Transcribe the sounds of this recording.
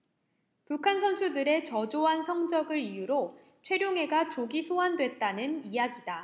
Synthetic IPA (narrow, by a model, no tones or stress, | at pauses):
pukʰansʰʌnsʰudɯɾe̞t͡ɕʌd͡ʑoɦansʰʌŋd͡ʑʌɡɯɾijuɾo | t͡ɕʰwe̞ɾjoŋɦe̞ɡat͡ɕoɡisʰoɦandwe̞t̚t͈anɯnijaɡida